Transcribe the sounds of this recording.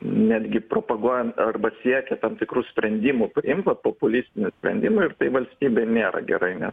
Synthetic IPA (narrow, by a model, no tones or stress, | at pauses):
nʲæːd̪ʲɡʲɪpɾoːpɐɡuɔjɛnɐrbɐsʲiɛkʲɛt̪ɐmt̪ʲɪkɾuːsʲpʲɾʲɛnʲd̪ʲiːmʊpʲrʲɪɪmpɐpoːpʊlʲiːsʲt̪ʲɪnʲʊsʲpʲɾʲɛ̰nʲd̪ʲɪmʊɪrt̪ɐɪʋɐlʲsʲt̪ʲiːbʲeːnʲeːɾɐ̰ɡʲɛ̰ɾɐɪnʲɛs